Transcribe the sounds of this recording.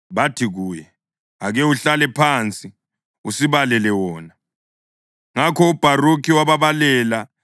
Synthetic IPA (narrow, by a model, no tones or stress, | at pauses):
βatʰiɣuːjɛ | aɣɛuɬalɛpʰant͡sʼi | usiβalɛlɛwɔːna | ŋakʰɔub̥ʱarukʰiwaβaβalɛːla